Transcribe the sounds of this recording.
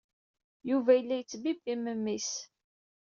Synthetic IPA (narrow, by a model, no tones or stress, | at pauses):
juvæjəlːæjət͡sːbibiməmːis